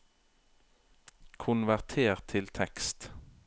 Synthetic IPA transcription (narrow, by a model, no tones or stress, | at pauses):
kʰʊnʋæʁt̪ʰeːʁt̪ʰɪlt̪ʰɛkst̪